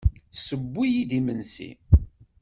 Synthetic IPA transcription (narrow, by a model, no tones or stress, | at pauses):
θsəbːijid̪imənsḭ